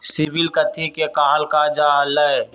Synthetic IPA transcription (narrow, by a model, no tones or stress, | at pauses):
sibɪlkət̪ʰikekaːlkaːd͡ʒaːləe